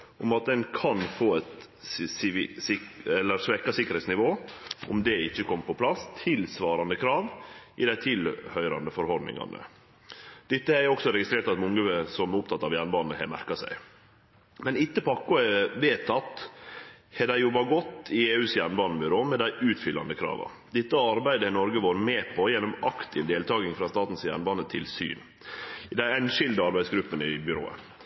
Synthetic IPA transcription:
ʔʊmɑt̪̚d̪ɛnkʰɑnfoːɛt̪ | sɪɛlːəɾsʋɛkɑsɪkːəɾhɛːt̪snɪʋoːʔʊmd̪ɛɪçːəkʰɔmːpʰɔpʰlɑst̪ʰɪlsʋɑːɾɑnd̪əkʰɾɑːʋɪd̪æɪt̪ʰɪlhœʏɾɑ̰nd̪əfɔɾhɔɾd̪nɪ̰ŋɑ̰nʔə̰ | d̪̥ɪt̪ːəæɾɔksɔɾɛɡɪst̪ɾeːɾʈt̪ɑt̪mʊŋːəəsɔmʊp̚t̪ʰɑt̪ːɑːʋjæːɾɳəbɑːnnəhɛ̰mæ̰ɾkɑsæ̰ɪ | mɛnɪt̪ːəpɑkːʊəʋeːt̪ʰɑt̪ː | hɛɖ̪æɪjʊbɑɡɔt̪ːɪeːʉːsjæːɾɳbɑːnəbʏɾoːmɛd̪æɪʔʉːt̪fʏlːɑ̰nd̪əkʰɾɑ̰ːʋɑ̰ | d̪̥ɪt̪ːəɑɾbæɪd̪əhnɔɾɡəʋoːɾəmeːpʰɔjɛnɔmɑkt̪ʰɪʋd̪eːlt̪ʰɑːɡɪŋfɾɑːst̪ɑːt̪n̩sjæ̰ːɳbɑːnət̪ʰɪlsy̰ːn | d̪æɪɛnʂɪld̪əɑɾbæɪsɡɾʉpːənəɪbʏɾo̰ːə̰

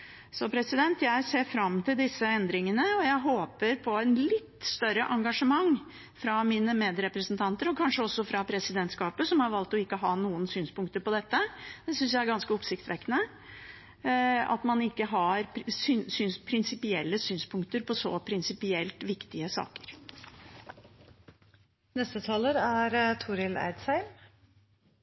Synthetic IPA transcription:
sɔpʰɾɛsɪd̪ɛnt̪jæɪseːɾfɾɑmːt̪ʰɪld̪ɪsːəɛnd̪ɾɪŋənəɔjæɪɦoːpəɾpʰɔɛnlɪt̪ːst̪œɾəʔɑŋɡɑʂəmɑŋː | fɾɑmiːnəmeːd̪ɾɛpɾəsnt̪ʰɑnt̪əɾɔkʰɑnʂəɔsːɔfɾɑpʰɾɛsɪd̪ɛnt̪skɑːpəsɔmhɑɾʋɑlt̪ɔɪkːəɦɑːnuːənsyːnspʊŋk̚t̪əɾpɔd̪ɛt̪ːəd̪̥ɛsʏnsjæɪæɾɡɑnskəɔpsɪkt̪ʋɛkːnə | ɑ̰t̪mɑnɪkːəɦɑɾsyːsyːnspʰɾɪnsɪpɪɛlːəsyːnspʰʊŋkt̪əɾpʰɔsɔ̰pʰɾɪnsɪpɪɛlt̪ʋɪkt̪ɪəsɑ̰ːkə̥ɾ | nɛst̪ət̪ʰɑːləɾæɾt̪ʰuɾɪlæ̰ɪd̪sæɪm

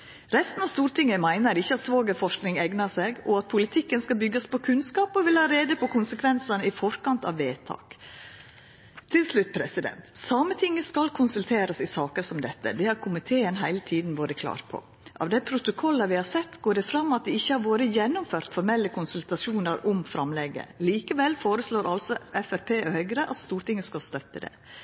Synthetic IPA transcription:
ɾɛst̪n̩ɑst̪uːɾt̪ʰɪŋːəmæɪnəɾɪçːəɑt̪sʋoːɡəfɔʂknɪŋɛɡnəseːɡɔɑt̪̚pʰʊlɪt̪ʰɪkːənskɑlbʏɡːəspʰɔkʰʉnskɑːpɔʋɪlhɑːɾeːd̪əpʰɔkʰʊnsəkʰʋɛnsənəɪfɔɾkɑnt̪ɑ̰ʋːeːt̪ʰɑ̰ːk | t̪ʰɪlslʉt̪̚ːpʰɾɛsɪd̪ɛ̰nt̪sɑmət̪ʰɪŋːəskɑlkʰʊnsʉlt̪ʰeːɾəsɪsɑːkəsɔmd̪ɛt̪ːə̰d̪ɛhɑɾkʰʊmɪt̪ʰeːənɦæɪlət̪ʰiːd̪n̩ʋoːɾəkʰlɑ̰ːɾpʰɔ̰ | ʔɑ̰ʋd̪æɪpʰɾʊt̪ʊkʰɔlːəʋɪhɑsɛt̪ːɡoːɖɛfɾɑmːɑt̪̚d̪ɛɪçːəhɑɾʋoːɾəjɛnːʊmføːɾt̪fɔɾmɛlːəkʰʊnsʉlt̪ɑsuːnəɾɔmfɾɑmlɛɡə̰liːkəʋɛlːfoːɾəsloːɾʔɑlsɔʔɛfæɾpʰeːhœʏɡɾəʔɑt̪st̪uːɾʈɪŋːəskɑlst̪œt̪ːəd̪ɛ̰

